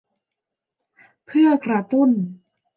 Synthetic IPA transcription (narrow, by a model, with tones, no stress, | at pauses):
pʰɯ˥˩ɐkɾa˧t̪u˥˩n